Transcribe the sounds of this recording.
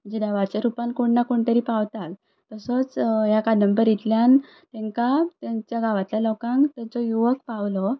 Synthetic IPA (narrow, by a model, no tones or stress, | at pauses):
əd͡ʑid̪aʋat͡ɕeɾupãnkoɳːakoɳt̪əɾipaʋt̪al | t̪əsɔt͡sjakadnəmbəɾit̪ljan | t̪ɛ̃ŋkat̪jaɲt͡ɕjaɡaʋat̪ljalɔkãŋkt̪əɾd͡zɔjuʋək̚paʋlɔ